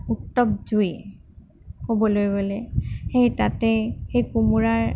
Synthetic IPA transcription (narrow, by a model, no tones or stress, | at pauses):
utːɔp̚zuj | kobɔlojɡolɛxejtatɛxejkumuɹaɹ